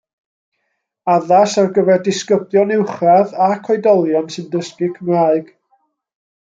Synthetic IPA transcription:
aðasarɡəvɛrdɪskəbjɔnɪwχraðakʰɔjdɔlˠjansɨndəskɪkʰəmraːɨɡ̥

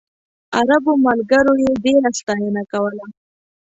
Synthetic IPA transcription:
aɾabomalɡəɾojeɖeɾast̪ɑjənakawəla

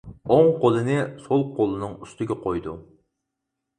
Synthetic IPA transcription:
oŋqʰolˠɨnɪsolˠqolˠɨnɨŋyst̪ɪɡʲɛqʰojd̪u

